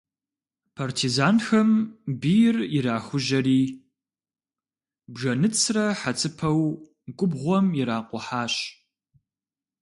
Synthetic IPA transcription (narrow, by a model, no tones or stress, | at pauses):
pʰartʰizaːnxɐmbijɪrɪɾaːxʷʊʒɐriː | bʒɐnɨt͡sʰrɐħat͡sʼʰɨpʰɐw | ɡʷʊbʁʷɔmjɪɾaːqʷʼɔħaːɕ